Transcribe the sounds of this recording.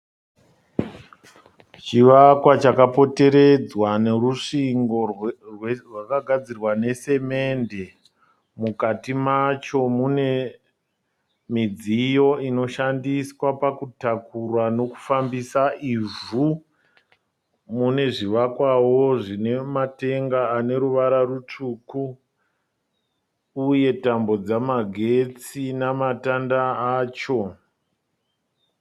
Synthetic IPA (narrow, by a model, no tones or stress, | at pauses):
t͡ʃiʋakwat͡ʃakapo̞te̞ɾe̞d͡zwane̞ruʂiŋɡo̞rwrwakaɡʱad͡zirwane̞se̞me̞nde̞ | mukatimat͡ʃo̞mune̞ | mid͡zijo̞ino̞ʃandiswapakutakurwano̞ku̥fambisaʔivu | mune̞ʐiʋakwawo̞ʐine̞mate̞ŋɡaːne̞ɾuʋaɾarut͡ʂuku | je̞tambo̞d͡zamaɡʱe̞t͡sinamatandaaːt͡ʃo̞